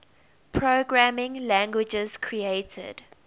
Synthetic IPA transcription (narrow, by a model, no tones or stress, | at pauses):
pʰɹoɡɹæmɪ̃ŋlæ̃ŋɡwɪd͡ʒəz̥kʰɹieɪtʰə̰d̥